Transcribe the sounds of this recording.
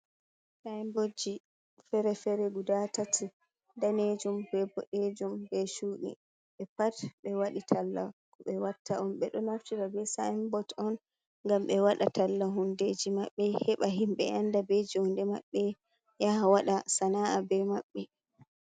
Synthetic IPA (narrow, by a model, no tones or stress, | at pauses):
sajmbod͡ʒi | fɛɾɛfɛɾɛɡudatatʰi | daned͡ʒumbɛbɔɗed͡ʒumbɛʃuɗḭ | ɓɛpatɓɛwaɗitʰalːa̰kɔɓɛwatːaɔmɓɛɗɔnaftiɾabɛsajmbɔtɔn | ŋɡamɓɛwaɗa̰talːaɦunded͡ʒimaɓːɛhɛɓaɦimɓɛ̰andabed͡ʒihundɛmaɓːɛ | jahawaɗasanaʔabɛmaɓːɛ